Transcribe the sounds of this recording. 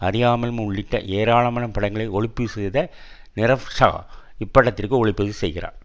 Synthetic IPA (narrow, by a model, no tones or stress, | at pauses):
ɐrɪjaːmɐlmʊɭːɪʈːɐ̰ʔeːɾaːɭɐmɐlɐmpɐɽɐŋɡɐɭɐɪɔɭɪpːɯsɛjðɐ | nɪɾɐʋʂa̰ːɪpːɐɽːɐt̪ːɪrkɯɔɭɪpːɐðɯsɛ̰jɣɪɾa̰ː